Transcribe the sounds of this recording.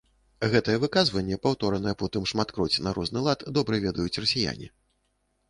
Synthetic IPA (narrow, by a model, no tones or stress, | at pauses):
ɣɛt̪ɨjɛvɨkazvɐnʲːɛpawt̪ɔɾɐnɐjɛpɔt̪ɨmʂmat̪kɾɔt͡sʲnaɾɔʐnɨlˠat̪d̪ɔbɾɨvʲɛd̪ɐjut͡sʲrɐsʲija̰nʲḭ